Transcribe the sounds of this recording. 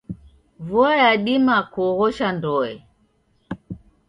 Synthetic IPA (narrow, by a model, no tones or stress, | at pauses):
vuajaɗimakɔɣɔʃandɔɛ